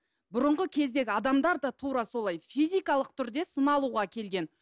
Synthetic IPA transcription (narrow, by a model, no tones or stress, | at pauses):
bʊɾəɴʁəkʲʰe̞zd̪e̞ɡʲɪɑd̪ɑmd̪ɑɾd̪ɑt̪ʰuɾɑso̞lˠɑjfijzʲijkɑlˠəq̚t̪ʰʏɾd̪e̞sənɑlˠuʁɑkʲʰe̞lɡʲe̞n